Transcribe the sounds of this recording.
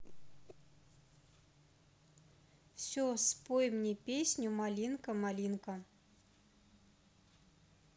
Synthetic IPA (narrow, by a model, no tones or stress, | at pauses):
fsʲospojmnʲipʲesʲnʲumalʲinkəmalʲinkə